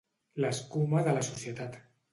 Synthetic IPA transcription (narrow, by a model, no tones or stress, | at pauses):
laeskumaðəlasuθjet̪at̪